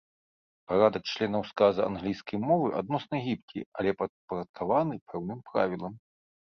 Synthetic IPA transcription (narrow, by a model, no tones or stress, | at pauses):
paɾad̪ɐk̚t͡ʃlʲɛnɐwskazɐa̰nɣlʲijskɐjmɔvɨʔa̰d̪̚nɔsnɐɣʲipkʲʰḭalʲɛpɐt̪̚pɐɾɐt̪̚kʰavanɨpʰɛwnɨmpɾa̰vʲilˠɐm